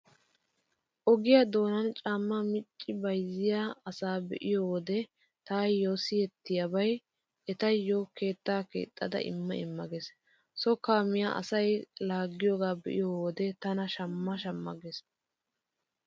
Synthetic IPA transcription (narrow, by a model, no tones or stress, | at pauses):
ʔɔɡɪjad̪o̞ːnɐnt͡ʃʼaːmːɐmɪt͡ʃʼːɪbɐjzɪjaːɐsaːbɛ̰ʔɪjoːd̪ɛ | t̪aːjjjːosɪjɛt̪ːɪjɐbɐj | ɛt̪ɐjjːoke̞ːt̪ːaːkḛːt̪ʼːɐd̪ɐ̰ʔɪ̰mːɐ̰ɪmːɐɡes | sɔkaːmɪja̰ːʔɐ̰sɐjlaːɡːɪjoːɡaːbɛ̰ʔɪ̰jowɔd̪ɛt̪ɐnɐʃɐmːɐʃɐmːɐ̰ɡes